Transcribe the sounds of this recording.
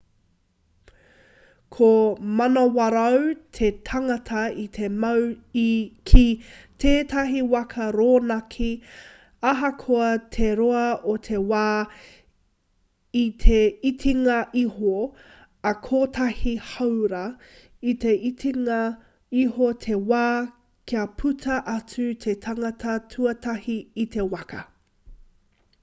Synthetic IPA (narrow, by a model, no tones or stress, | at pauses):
kʰomɐnɐwɐɾɐwt̪ʰetʰɐŋɐtʰɐit̪ʰe̞mɐwikʰitʰeːtɐɦiwɐkʰɐɾoːnɐkʰi | ɐɦɐkʰoɐt̪ʰe̞ɾoɐotʰe̞waː | itʰeitʰiŋɐʔiho | ɐkʰoːtʰɐhihɐwɾɐ | it̪eiiŋɐ | ihot̪ʰe̞waː | kʰiɐpʰʉtʰɐʔɐt͡sʉt̪ʰe̞tʰɐŋɐtʰɐtʰuɐtɐhiːtʰe̞wɐkɐ̰